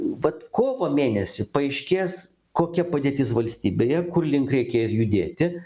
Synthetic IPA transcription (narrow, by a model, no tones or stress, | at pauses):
ʋɐt̪koːʋoːmʲeːnʲɛsʲɪpɐɐɪʃʲkʲeːs | koːkʲɛpɐd̪ʲeːt̪ʲɪsʋɐlʲsʲt̪ʲiːbʲeːjɛkʊrlʲɪŋkɾʲɛɪkʲɛɪsjʊd̪ʲeːt̪ʲɪ